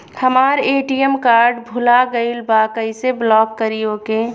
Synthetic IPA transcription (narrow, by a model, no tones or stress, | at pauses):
həmaːɾeːʈijəmkaːɾɖbʱʊlaɡəɪlbaːkəiseblɔːkːəɾijokẽ